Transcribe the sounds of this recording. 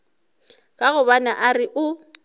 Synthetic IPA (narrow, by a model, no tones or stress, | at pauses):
kʼaɣʊβanaʔarɪʔʊ